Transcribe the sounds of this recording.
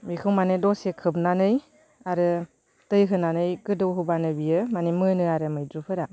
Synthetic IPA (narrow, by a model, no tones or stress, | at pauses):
mikʰɯwmanɯdɔsekʰɯp̚nanɯj | aɾɯ | tɯjɦɯnanɯjɡɯdɯwɦɯbanɯbijɯmanimɯnɯaɾɯmɯjdɾupʰɯɾa